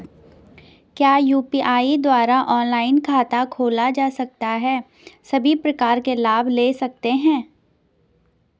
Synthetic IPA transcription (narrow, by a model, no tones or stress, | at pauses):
kjaːjuːpiʔaːid̪waːɾaʔɔːnlaːɪnkʰaːt̪akʰoːlad͡ʒaːsɐk̚t̪aɦɛː | sɐbʱipɾɐkaːɾkelaːbʱleːsɐk̚t̪eɦɛ̃ː